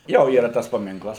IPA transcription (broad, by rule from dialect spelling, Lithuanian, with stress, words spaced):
ˈjoː ˈiːrɐ ˈtɐs pɐˈmʲɪŋklˠɐs